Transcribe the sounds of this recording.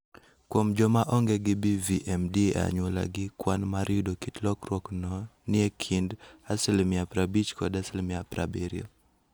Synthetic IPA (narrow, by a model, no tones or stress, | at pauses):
kwomd͡ʒɔmaʔɔŋɡɛɡɪbiviʔɛmdia̰ɲwola̰ɡɪkwanmaɾʔɪdokitlɔkrwɔknɔnɪekʰindasɛlmɪapɾabit͡ʃkɔdasilmɪapɾa̰bɛɾḭo̰